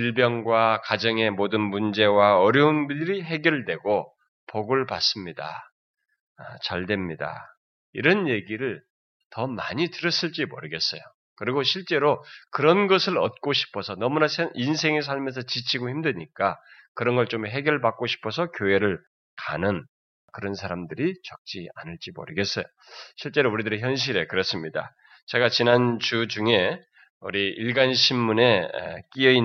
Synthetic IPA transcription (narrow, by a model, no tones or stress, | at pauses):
iɭbjʌŋɡwakad͡ʑʌŋe̞modɯnmund͡ʑe̞waʌɾjʌunbiɾiɦe̞ɡjʌɭdwe̞ɡo | poɡɯɭpa̰s͈ɯmɲida̰ | t͡ɕaɭdwe̞mɲida̰ | iɾʌnje̞ɡiɾɯɭ | tʌmaɲitɯɾʌs͈ɯɭt͡ɕ͈imo̰ɾɯɡes͈ʌjo | kɯɾiɡoɕʰiɭt͡ɕ͈e̞ɾokɯɾʌnɡʌsʰɯɾʌt̚k͈oɕʰi̥pʰʌsʰʌnʌmunasʰeʔins̬ʰe̞ŋes̬ʰaɭmes̬ʰʌt͡ɕit͡ɕʰiɡohçimdeɲik͈akɯɾʌnɡʌɭt͡ɕ͈omɦe̞ɡjʌɭbak̚k͈oɕʰi̥pʰʌsʰʌkjoe̞ɾɯɭ | kanɯn | kɯɾʌnsʰaɾamdɯɾit͡ɕʌk̚t͡ɕ͈ia̰nɯɭt͡ɕ͈imʌ̰ɾɯɡe̞s͈ʌjo | ɕʰiɭt͡ɕ͈e̞ɾouɾidɯɾeçjʌnɕ̬ʰiɾe̞kɯɾʌs͈ɯmɲida̰ | t͡ɕe̞ɡat͡ɕinant͡ɕut͡ɕuŋe̞ | ṵɾiiɭɡanɕʰimːune̞̰k͈iʌi